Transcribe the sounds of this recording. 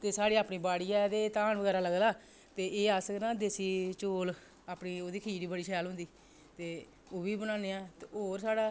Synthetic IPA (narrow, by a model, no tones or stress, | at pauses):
t̪eːsaːɽiːaːpɳiːbaːɽiːɛd̪eːt̪aːnbəɡɛːɾaːləɡlaː | t̪eːʔeːaskənãːd̪eːsiːt͡ʃoːl | aːpniːoːd̪iːkʰiːɾiːbəɽiːʃʰɛjaːlɦʊ̃nd̪iː | t̪eː | oːbiːbənãːneːaːt̪eoːɾsaːɽaː